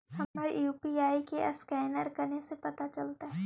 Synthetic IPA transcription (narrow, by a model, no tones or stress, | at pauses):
hɐməɾjuːpiaːikeʔskɛːnəɾkɐɾnesepɐt̪at͡ʃɐlt̪aɦɛ